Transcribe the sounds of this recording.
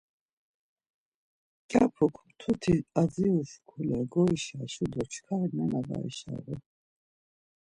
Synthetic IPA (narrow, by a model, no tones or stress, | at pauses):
t͡ʃʼapʰukʷʰmt̪ʰut̪ʰiaziuʃkʰulɛɡɔiʃaʃud̪ɔt͡ʃʰkʰaɾnɛnada̰ḭʃa̰ɾɔ